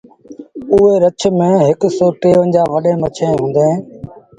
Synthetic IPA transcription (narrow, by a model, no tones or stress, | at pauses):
ʊɦeːɾət͡ʃʰmẽːɦɪksoːʈeːʋənd͡ʑaːʋəɗẽːmət͡ʃʰẽːɦũːnd̪eɦẽː